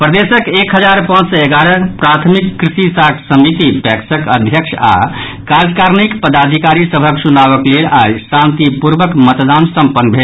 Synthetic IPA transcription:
pɾəd̪esəkekɦəd͡ʒaɾpãd͡ʒsəeɡaɾəpɾat̪ʰmikːɾisisakʰsəmit̪ipɛksəkəd̪ʱjəksʰa̰ | kad͡ʒkaɾnikpəd̪ad̪ʱikaɾisəbʱəkt͡ʃunaβəklelajsãnt̪ipuɾbəkmət̪d̪ansəmpənːbʱe

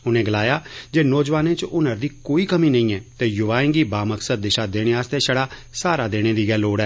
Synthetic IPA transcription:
ʊnẽːɡəlaːjaːd͡ʒeːnɔːd͡ʒʋaːnẽːt͡ʃʊnəɾd̪iːkoːiːkəmĩːnəĩːɛːt̪eːjʊʋaːẽŋɡiːbaːməksəd̪̚ːɪʃaːd̪eːɽ̃eːaːst̪eːʃəɽaːsaːɾaːd̪eːɽ̃eːd̪iːɡɛːlːoːɽɛː

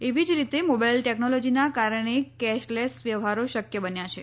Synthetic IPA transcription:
eʋid͡ʒɾit̪emobajlʈɛknolɔd͡ʒinakaɾɳ̃ekɛʃlɛsʋjəʋɦaɾoʃəkjəbənjat͡ʃʰe

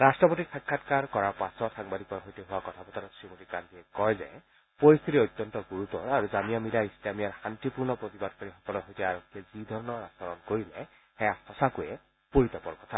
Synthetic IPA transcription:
ɹastɹɔpotikʰakkʰːatkaɹkɔɹaɹpasɔtxaŋbadʱikɔɹɦojteɦʊwakɔt̪ʰapɔtaɾɔsɹimotikankiɛkɔjzɛ̰ | poɹist̪ʰitiojt̪ːɔntɔɡuɹut̪ɔ̰ɹaɹuzamijamilaislamijaɹxantipuɹnɔpɹot̪ibad̚kaɹixɔkɔlɔtɦojtɛaɹɔkʰːiɛzid̪ʱɔɹɔnɔasɔɹɔnkoɹilɛ | xɛjahɔsakujɛ | poɹitɔpɔɹkɔ̥tʰa

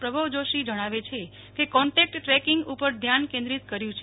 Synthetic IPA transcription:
pɾəbʱəʋd͡ʒoʃid͡ʒəɽ̃aʋet͡ʃʰe | kekɔɳʈɛk̚ʈʈɾɛkiŋɡupəɾd̪ʱjankẽnd̪ɾit̪kəɾjũt͡ʃʰe

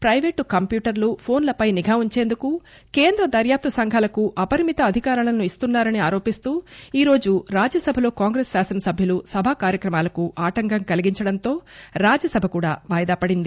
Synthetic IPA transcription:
pɾɐjʋeːʈkɐmpjuːʈɐɾlupʰo̞ːnlɐpɐjniɡʱaːuɲt͡ʃe̞ːnd̪uku | ke̞ːnd̪ɾɐd̪ɐɾjaːp̚t̪ɐsɐŋɡʱaːlɐkuʔɐpɐɾimit̪ɐːd̪ʱikaːɾɐlɐnuist̪unːaːɾɐniaːɾo̞ːpist̪uːiːɾo̞ːd͡ʒuɾaːd͡ʒɐsɐbʱɐlo̞ːkaːŋɡɾeːsːaːsɐnɐsɐbʱjɐlusɐbʱaːkaːɾjɐkɾɐmaːlɐkuʔaːʈɐŋɡɐŋkɐliɡiɲt͡ʃɐɽɐnt̪o̞ːɾaːd͡ʒɐsɐbʱɐkuːɽaːʋaːjɐd̪aːpɐɽind̪i

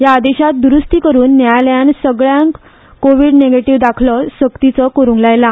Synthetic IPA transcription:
jaːd̪eɕat̪̚d̪uɾust̪iːkəɾuːnːjajləjansəɡɭjãŋk | koʋiɖneɡeʈiʋd̪akʰləsəkt̪it͡səkoɾũŋɡlajla

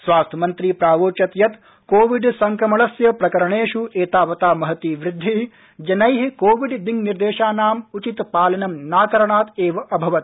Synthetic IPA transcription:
sʋaːst̪ʰɐmɐnt̪ɾiːpɾaːʋoːt͡ʃɐt̪jɐt̪ | koːʋiɖsɐŋkɾɐmɐɭɐsjɐpɾɐkɐɾɐɳeːʃueːt̪aːʋɐt̪aːmɐɦɐt̪iːʋɾɪd̪ʱːi | d͡ʒɐnɐjɦikoːʋiɖd̪iŋniɾd̪eːʃaːnaːmut͡ʃit̪paːlɐnɐmnaːk̪ɐɾɐɳaːt̪eːʋɐʔɐbʱɐʋɐt̪̚

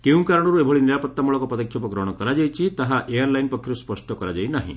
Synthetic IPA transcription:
keũkaɾɔɽ̃ɔɾuebʱɔɭiniɾapɔt̪ːamuɭɔkɔpɾɔd̪ɔkʰjɔpɔɡɾɔɽ̃ɔkɔɾad͡ʒajt͡ʃʰit̪aɦaʔejaɾlajnpɔkʰjɔɾuspɔsʈɔkɔɾad͡ʒajnaɦḭ̃

